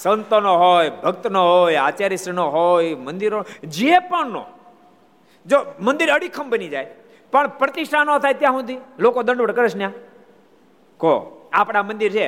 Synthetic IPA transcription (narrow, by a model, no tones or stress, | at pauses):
sənt̪onoɦojbʱəkt̪noɦojat͡ʃaɾisɾənoɦojmənd̪iɾod͡ʒepəɳnõ̰ | d͡ʒomə̃nd̪iɾəɽikʰəmbənid͡ʒaj | pəɳpɾət̪iʃʈʰanot̪ʰajt̪jãɦũd̪ilokod̪ə̃ɳɖʋəɽkəɾet͡ʃʰnjã | koapɽ̃amə̃nd̪iɾt͡ʃʰe